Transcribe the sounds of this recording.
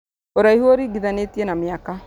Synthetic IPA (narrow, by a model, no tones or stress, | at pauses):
oɾaihuoɾiɡiðanet̪ienamɪaka